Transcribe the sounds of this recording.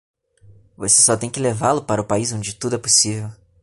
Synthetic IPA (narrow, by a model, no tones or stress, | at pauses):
vose̥sɔt̪ẽj̃kɪlevalʊpaɾɐʊpaizõd͡ʒɪt̪ud̪ʊɛposivew